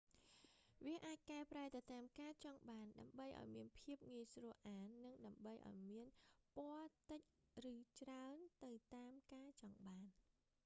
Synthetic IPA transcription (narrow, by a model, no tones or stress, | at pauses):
ʋiəʔaːc̚kaɛpraɛt̪ɨwt̪aːmkaːt͡ɕɑŋɓaːnɗaəmɓəjʔa̰ɔjmiənpʰiəp̚ŋiəjsruəʔaːnːɨŋɗaəmɓəjʔa̰ɔjmiənpŏət̪ɨc̚rɨːt͡ɕraənt̪ɨwt̪aːmkaːt͡ɕɑŋɓaːn